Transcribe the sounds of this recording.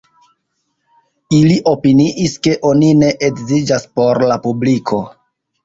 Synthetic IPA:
iliʔo̞piniʔiske̞ʔo̞nine̞ʔekzid͡ʒaspo̞ɾlapublikʰo̞

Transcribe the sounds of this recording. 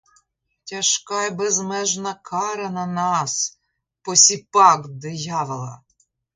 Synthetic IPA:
tʲɐʃkɑjbɛzmɛʒnɐkʰɑɾɐnɐnɑs | pɔsʲipɑkd̪ɪjɑʋɪlˠɐ̰

